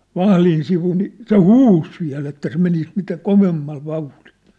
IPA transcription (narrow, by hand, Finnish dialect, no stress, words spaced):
ʋɑhlin siʋu ni se huːs ʋiæ̝l etːæ se menis mitæ koʋemːɑl ʋɑuhl̥i̥l̥